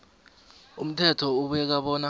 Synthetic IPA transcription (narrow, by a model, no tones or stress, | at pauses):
um̩tʰɛtʰɔuɓɛk̬aɓɔːna